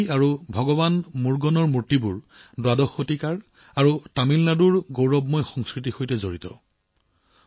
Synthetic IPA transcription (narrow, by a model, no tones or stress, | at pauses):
aɹubʱɔɡɔbanmuɹɡɔnɔɹmuɹtibuɹ | dwadɔxːotikaɹ | aɹutamilnaduɹɡowɹɔbmɔjxɔŋskɹitixojtɛzoɹitɔ